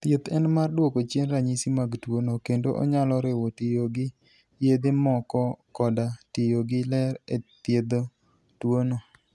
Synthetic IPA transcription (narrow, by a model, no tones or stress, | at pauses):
t̪jet̪ɛnmardwokot͡ʃenɾaɲisimaɡtwonokendoʔɔ̰ɲalɔɾɪwɔtɪjoɡɪ | jed̪ɪmɔkɔkɔdatɪjoɡɪlɛɾet̪jed̪o | twono